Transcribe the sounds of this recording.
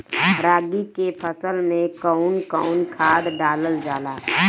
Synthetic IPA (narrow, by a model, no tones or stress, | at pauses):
ɾaːɡikepʰəsəlmẽkəʊnkəʊnkʰaːd̪ɖaːləld͡ʒaːla̰ː